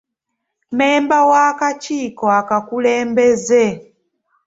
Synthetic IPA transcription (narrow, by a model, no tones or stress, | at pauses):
mɛmbawakat͡ʃikɔakakulɛːmbɛzɛ